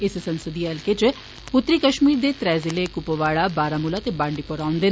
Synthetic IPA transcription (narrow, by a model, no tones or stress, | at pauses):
ɪssənsəd̪iɛlket͡ʃ | ʊt̪ːɾiːkəʃmiːɾd̪eːt̪ɾɛːzɪlekʊpoʋaːɽabaːɾaːmʊlaːt̪ebãːɳɖiːpoɾaːʊ̃nd̪eː